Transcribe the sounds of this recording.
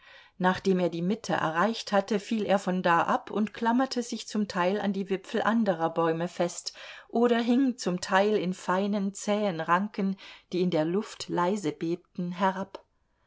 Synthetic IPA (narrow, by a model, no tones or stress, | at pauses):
naːχd̥eːmeːɐdiːmɪtʰə̰ʔɛ̰ɐʁaɪçthatəfiːlḛːɐfɔndaːʔapʰʊntkʰl̥amɐtʰəzɪçt͡sʊmtʰaɪla̰ndiːvɪpfl̩ʔandəʁ̞ɐbɔʏməfɛstʔoːɾɐɦɪŋt͡sʊmtʰaɪlɪnfaɪnənt͡sɛːənʁaŋkənd̥iːɪndeːɐlʊftlaɪzəbeːp̚tn̩ɦɛʁap